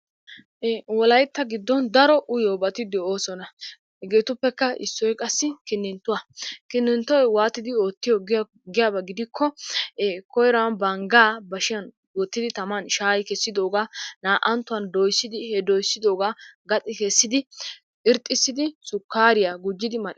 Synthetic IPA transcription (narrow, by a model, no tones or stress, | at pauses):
wɔlɐjt̪ːɐɡɪd̪ːɔnd̪ɐɾɔʔʊjɔbɐt̪ɪd̪ɛo̞ːsɔnɐ | hɛɡeːt̪ʊpːɛkːɐʔɪ̰sːɔjkʼɐsːɪkɪnːɪnt̪ːʊwɐkɪnːɪnt̪ːɔjwaːt̪ːɪd̪ɪoːt̪ːɪjɔ | ɡɪjabɐɡɪd̪ɪkʰːɔ | kɔjɾanbɐŋɡaːbɐʃɪjɐn | wɔt̪ːɪd̪ɪt̪ɐmɐnʃaːjkɛsːɪd̪o̞ːɡaːnaːʔɐnt̪ːʊwɐnd̪ɔjsːɪd̪ɪhɛd̪ɔjsːɪd̪o̞ːɡaːɡɐt̪ʼɪkɛsːɪd̪ɪ | ɪɾt̪ʼːɪsːɪd̪ɪsʊkːaːɾɪjaɡʊd͡ʒːɪd̪ɪmɐʔ